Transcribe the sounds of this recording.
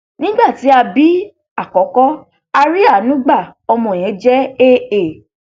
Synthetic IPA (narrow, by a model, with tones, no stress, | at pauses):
nĩ˦ɡ͡ba˦˨ti˨˦a˧bi˦ | a˦˨kɔ˨˦kɔ˦ | a˧ɾi˦a˦˨nũ˦ɡ͡ba˦˨ɔ˧mɔ̃˧˨j̃ɛ̃˨˦d͡ʒɛ˦e˦e˨